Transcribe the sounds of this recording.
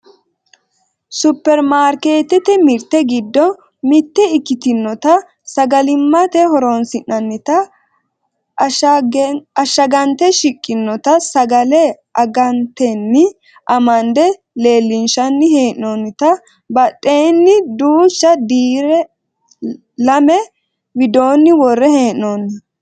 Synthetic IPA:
sʊpːɛɾmaːɾke̞ːt̪ɛt̪ɛmɪɾt̪ːɛɡɪd̪ːɔ | mɪt̪ːɛɪkːɪt̪ɪnːɔt̪ɐ | sɐɡɐlɪmːɐt̪ɛhɔɾɔnsɪnːɐnːɪt̪ɐ | ɐʃːɐɡɐnt̪ɛʃɪkʼːɪnːɔt̪ɐsɐɡɐlɛ | ɐɡɐnt̪ːɛnːɪ | ʔɐmɐnd̪ɛ | le̞ːlːɪnʃɐnːɪheːʔnonːɪt̪ɐ | bɐtʼːeːnːɪd̪uːʃːɐd̪iːɾɛ | lɐmɛ | wɪd̪o̞ːnːɪwɔrːɛheːʔnonːɐ

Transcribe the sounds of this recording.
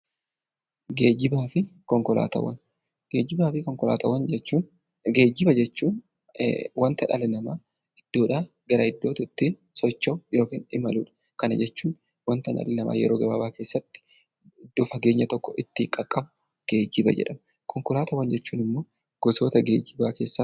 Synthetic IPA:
ɡeːd͡ʒɪbaːfɪkɔŋkɔla̰ːt̪ɐ̰wɐ̰n | ɡ̥e̞ːd͡ʒɪbaːfɪkɔŋkɔla̰ːt̪ɐwɐnɛt͡ʃːuːn | ɡe̞ːd͡ʒɪbɐd͡ʒɛt͡ʃːuːn | wɐnt̪ɐnɐlɪnɐmaː | ɪd̪̥ːo̞ːᶑaː | ɡɐɾɐɪd̪ːo̞ːt̪ɪt̪ːiːnsɔt͡ʃːɐwjo̞ːkiːnɪmɐlṵːᶑɐ̥ | kɐnɐd͡ʒɛt͡ʃːuːn | wɐnt̪ɐnɐ̰lɪnɐma̰ːjɛ̰ɾoːɡɐbaːbaːke̞ːsːɐt̪ːɪ̥ | d̪̥ʊfɐɡe̞ːɲːɐt̪ɔkːɔʔɪt̪ːɪkʼɐkʼːɐbʊ̥ | ɡ̥e̞ːd͡ʒːɪbɐ̰d͡ʒɛ̰ᶑɐm | kɔŋkɔlaːt̪ɐwɐnd͡ʒɛt͡ʃːuːnɪmːoː | ɡ̥ɔso̞ːt̪ɐɡḛːd͡ʒɪbaːke̞ːsːa

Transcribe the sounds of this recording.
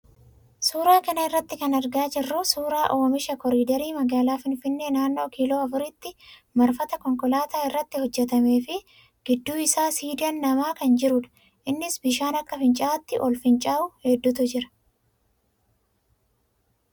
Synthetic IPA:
suːɾaːkɐnɐɪrːɐt̪ːɪkɐnɐɾɡaːd͡ʒɪrːʊsuːɾaːʔo̞ːmɪʃɐkɔɾiːd̪ɐɾiːmɐɡaːlaːfɪnfɪnːe̞ːnaːnːo̞ːkilo̞ːɐfʊɾɪt̪ːɪmɐɾfɐt̪ɐkɔŋkɔlaːt̪aːɪrːɐt̪ːɪhɔd͡ʒːɛt̪ɐme̞ːfɪ | ɡ̥ɪd̪ːuːɪsaːsiːd̪ɪɐnːɐmaːkɐnd͡ʒɪɾʊᶑ̪ɐ̥ | ʔɪnːɪsbɪʃaːnɐkːɐfɪnt͡ʃʼaːt̪ːɪʔɔlfɪnt͡ʃʼaːʔʊhɛd̪ːʊt̪ʊd͡ʒɪɾɐ̥

